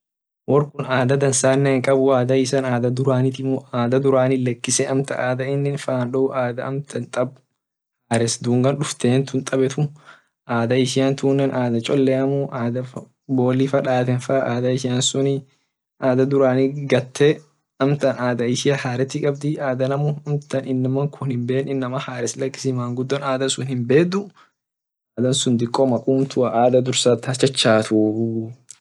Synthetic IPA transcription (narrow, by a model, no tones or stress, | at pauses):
wɔrkʊnaːd̪ɐd̪ɐnsaːnːɛːŋkʼɐbʊaːd̪ɐɪsɐnaːd̪ɐd̪ʊɾaːnɪt̪ɪmaːd̪ɐd̪ʊɾaːnɪlɛkːɪsɛɐmt̪ɐ̰ʔaːd̪ɐɪnːɪnfaːnᶑɔʊʔaːd̪ɐʔɐmt̪ʰɐnt̪ʼɐb̚ʊ | haːɾɛsd̪uːŋɡɐnɗʊft̪eːnt̪ʊnt̪ʼɐbɛt̪ʊ | ʔaːd̪ɐɪʃɪjant̪ʰuːnːɛnʔaːd̪ɐt͡ʃʼɔlːɛɐmuʔaːd̪ɐ | bo̞ːlifɐᶑaːt̪ɛnfɐʔaːd̪ɐɪʃɪjɐnsʊnɪ | ʔaːd̪ɐd̪ʊɾaːnɪɡɐt̪ʰːe | ɐmt̪ɐnaːd̪ɐɪʃɪjɐhaːɾɛt̪ːɪkʼɐbd̪ɪaːd̪ɐnɐmʊɐmt̪ɐnɪnːɐmɐŋkʰʊnhɪmbeːnɪnːɐmɐhaːɾɛslɐkːɪ̥sɪmaːŋɡʊd̪ːɔnaːd̪ɐnsʊnhɪmbe̞ːd̪ʊ | aːd̪ɐnsʊnd̪ɪkʼːɔmɐkʼuːmt̪ʊɐʔaːd̪ɐd̪ʊɾsaːt̪ːɐt͡ʃːɐt͡ʃːaːt̪uː